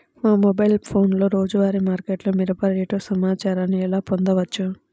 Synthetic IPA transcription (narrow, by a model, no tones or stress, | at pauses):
maːmɔbɐjlpʰo̞ːnlo̞ːɾo̞ːd͡ʒuʋaːɾimaːɾkeʈloːmiɾɐpɐɾeːʈoːsɐmaːt͡ʃaːɾaːniɛlaːpond̪ɐʋɐt͡ʃːu